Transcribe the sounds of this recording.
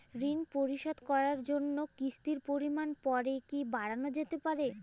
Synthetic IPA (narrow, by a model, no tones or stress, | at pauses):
ɾinpoɾiʃod̪kɔɾaɾd͡ʑonːokist̪iɾpoɾimanpɔɾekibaɽanod͡ʑet̪epaɾe